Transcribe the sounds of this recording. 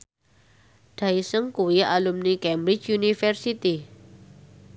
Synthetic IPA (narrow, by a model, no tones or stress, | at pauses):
ɖ̪̥aisəŋkuiʔalumnikɛmbɾit͡ʃjunifɛrsit̪i